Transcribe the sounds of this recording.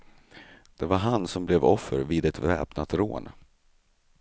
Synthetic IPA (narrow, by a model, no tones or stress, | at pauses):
d̪̥ɛvaɾɦansɔmblɛvɔfːəɾviːd̪ɛt̪vɛ̰ːpnat̪ɾo̰ːn